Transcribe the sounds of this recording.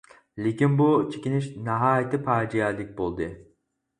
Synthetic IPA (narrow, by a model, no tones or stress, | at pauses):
lʲicinbut͡ʃʰicʲiniʃnaɦaːjet̪ʰipʰaɾd͡ʒijalʲːic̚ʲbolˠd̪ɯ